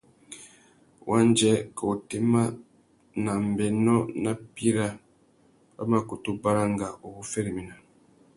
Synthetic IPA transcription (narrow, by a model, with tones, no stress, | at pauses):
wʔa˦nd͡ʒɛ˦ka˨u˨te˦ma˦ | na˨mbɛ˨nɔ˦na˦pi˦ɾa˦ | ba̰˦ma˨ku˨tu˦ba˦ɾa˦ŋɡa˨o˨ku˦fɛ˦ɾi˨mi˨na˨